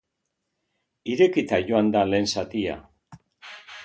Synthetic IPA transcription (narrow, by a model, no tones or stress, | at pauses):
iɾe̞kit̪aʝo̞and̪ale̞ːnsat̪ia̰